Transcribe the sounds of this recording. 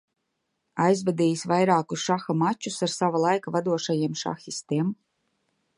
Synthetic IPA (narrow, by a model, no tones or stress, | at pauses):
ajzvad̪ʲiːjisʲvajɾaːkusʃaxamat͡ʃːusaɾsavalˠajkavad̪uɔʃajiɛmʃa̰xist̪iɛm